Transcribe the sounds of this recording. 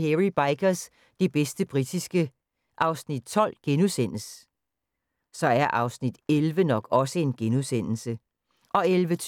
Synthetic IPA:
heʁib̥ɑ̈ɪɡ̥ɐs | d̥e̝b̥esd̥əb̥ʁid̥isɡ̥ə | ʔɑ̈ʊsnid̥̚t͡sʰɒ̽l̰ɡ̥enusen̰l̩s | sɒ̽æɐʔɑ̈ʊsnid̥elʋənɒ̽ɡ̥ɒ̽səe̝nɡ̥enusen̰l̩sə | ʔɒ̽elʋə

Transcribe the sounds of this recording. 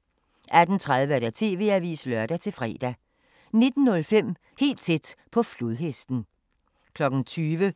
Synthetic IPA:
ʔæd̥n̩t͡sʰʁað̞ˠʋəæɐɾæt͡sʰe̝̰ːʋe̝̰ːæʋḭːslœɐd̥æt͡sʰe̝lfʁɛ̰ːd̥æ | ne̝d̥n̩nːɔ̽lfem̰ | he̝̰ːld̥t͡sʰed̥pʰɒ̽fluðˠɦesd̥n̩ | kʰlɒ̽ɡ̥n̩t͡sʰyːʋə

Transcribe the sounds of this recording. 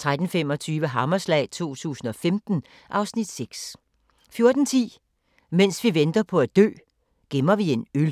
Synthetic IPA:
t͡sʰʁad̥n̩fem̰ɒ̽t͡sʰyːʋəɦɑ̈mɐslɛ̰ːɪt͡sʰo̝̰ːt͡sʰṵːsn̩ɒ̽femd̥n̩ | ʔɑ̈ʊsnid̥seɡ̥s | fjo̝ɐd̥n̩t͡sʰḭː | men̰sʋiʋend̥ɐpʰɒ̽æd̥ø̰ː | ɡ̥emɐʋie̝nøl

